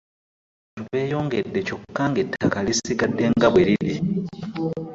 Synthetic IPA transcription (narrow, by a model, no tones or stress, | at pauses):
tuβe̞ːjo̞ːŋɡe̞dːe̞co̞kːaːŋɡetːakalisiɡadːe̞ŋɡaβwe̞ɾiɾi